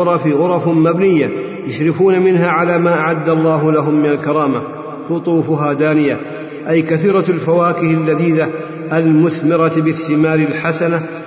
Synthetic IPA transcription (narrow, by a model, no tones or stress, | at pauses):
ɾˤɑfiɣʊɾˤɑfʊmːabnɪjːa | jaʃɾɪfuːnamɪnɦaʕalaːmaːʔaʕad̪ːalˤːɑːɦʊlaɦʊmːɪnalkɑɾˤɑːma | lʊt̪ˤuːfʊɦaːd̪aːnɪja | ʔajkaθiːɾɑlfawaːkɪhɪlːad̪iːða | ʔalmʊθmɪɾˤɑt̪bɪθːɪmaːɾɪlħasana